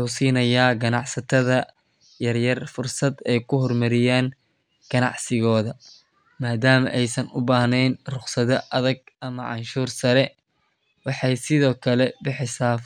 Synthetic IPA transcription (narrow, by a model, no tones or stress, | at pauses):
uwsiːnɐjaːɡɐnɑʕsɐt̪ʰɐðɐ | jɐrjɐrfʊrsɐd̪ɛjkʰʊɦɔrmɐɾɪjaːn | ɡ̥ɐnɑ̰ʕsɪɣɔːðɐ | maːd̪aːmɐʔɛjsɐnʊbaːhnɛjnrʊχsɐðɐʔɐðɐɡ̚ɐmɐʕɑ̰nʃuːrsɐɾɛ | wɑħɑjsɪðɔːkʰɐlɛbɪħɪsaː